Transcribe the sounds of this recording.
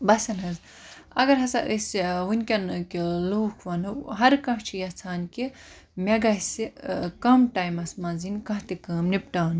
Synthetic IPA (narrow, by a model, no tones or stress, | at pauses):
bɐsɐnɦɐz | ɐ̰ɡɐɾɦɐsɐʔəsiʋunʲkʲɐnkiloːkʰʋɐnɨɦɐɾkɐ̃ɦt͡ʃʰijɐt͡sʰaːnki | mʲɐɡɐsikɐmʈaːjmɐsmɐ̃ːnzinʲkɐ̃ɦt̪ikɐːmnipʈaːn